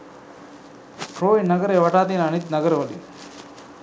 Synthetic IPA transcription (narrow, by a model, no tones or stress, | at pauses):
kɾoːjnɐɡəɾeːʋɐʈaːt̪̬iːnɐnit̪nɐɡəɾʋəlḭ